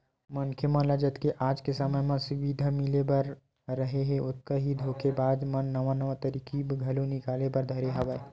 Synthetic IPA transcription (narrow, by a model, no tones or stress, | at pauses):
mənkʰemə̃nləd͡ʒət̪keʔad͡ʒkesəməjmãsuʋid̪ʱamilebəɾ | ɾəɦeɦeot̪̚kəɦid̪ʱokʰebad̪mənːəʋanəʋat̪əɾikʰibɡʱəlonikalebəɾd̪ʱəɾeɦəbə